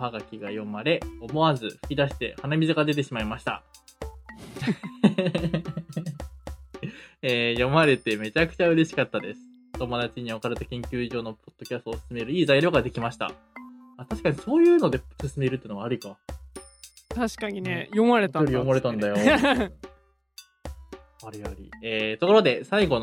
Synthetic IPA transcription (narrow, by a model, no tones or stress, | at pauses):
haɡakʲiɡajo̞maɾe̞o̞mo̞azɨɸɯ̟̥kʲid̪aɕi̥t̪e̞̰hanamʲizɨɡad̪e̞t̪̬e̞ɕimaimaɕi̥t̪a̰ | eːjo̞maɾe̞t̪e̞me̞t͡ɕakɯ̟̥t͡ɕaɯ̟ɾe̞ɕi̥kat̪ːad̪e̞sɨ̥ | t̪o̞mo̞d̪at͡ɕiɲ̟iakaɾet̪akʲẽŋkʲɨ̟ːiʑo̞ːno̞pʰo̞d̪̥ːo̞kʲasɨ̥t̪oːsɨ̥sɨme̞ɾɯ̟iːzaiɾʲo̞ːɡad̪e̞kʲimaɕi̥t̪a̰ | at̪aɕi̥kaɲ̟iso̞ːjɯ̟ːno̞d̪e̞sɨsɨme̞ːɾɯ̟t̪ːeɯno̞aːɾʲika | t̪aɕi̥kaɲinejomaɾet̪aoɾʲijo̞maɾe̞t̪ãnd̪ajo̞ | aɾʲijoɾʲḭeːt̪o̞ko̞ɾo̞d̪e̞saiɡo̞n